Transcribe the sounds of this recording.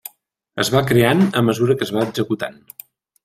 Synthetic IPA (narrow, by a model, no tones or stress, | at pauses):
ə̰zβakɾeanəməzuɾəkəzβaəɡzəkut̪a̰n